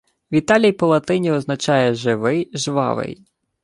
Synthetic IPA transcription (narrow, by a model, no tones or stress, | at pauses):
ʋʲit̪ɑlʲijpɔlˠɐt̪ɪnʲiɔznɐt͡ʃɑjɛʒɪʋɪjʒʋɑ̰ʋɪ̰j